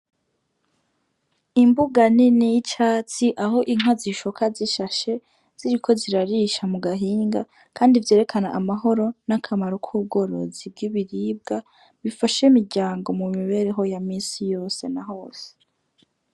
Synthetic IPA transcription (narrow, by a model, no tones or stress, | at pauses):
imbuɡaninijit͡ʃaːt͡siʔaɦo̞ʔiŋ̥waziʃokʰaziʃaʃe̞ | z̥iɾikʰo̞ziɾaɾiʃamuɡaɦiːŋɡa | kʰaːndivje̞ɾe̞kʰanaʔamaɦo̞ɾo̞nakʰamaɾokʰuːb̚ɡo̞ːɾo̞̰zib̚ɡiβiɾiːb̚ɡa | βifaʃemiɾɟaːŋɡo̞mumiβe̞ɾeɦo̞jamiːsijo̞ːse̞naɦo̞ːse̥